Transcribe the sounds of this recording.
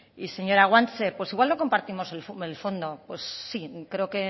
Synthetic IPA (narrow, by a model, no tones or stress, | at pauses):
ise̞ɲo̞ɾaɣwant͡sepwe̞siɣwalnoko̞mpaɾt̪imo̞selfelfo̞nd̪o̞pwe̞sːikɾe̞o̞ke̞